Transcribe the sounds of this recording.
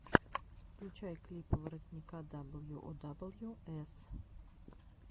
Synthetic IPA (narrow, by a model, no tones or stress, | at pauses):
it͡ʃajklʲipvəɾək̪nʲikad̪abəlˠjuʔod̪abəlˠjuɛs